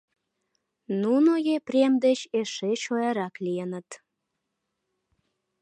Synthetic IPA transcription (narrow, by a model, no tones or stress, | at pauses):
nunojeprʲemd̪et͡ɕeʃeʃojɑɾɑklijənət̪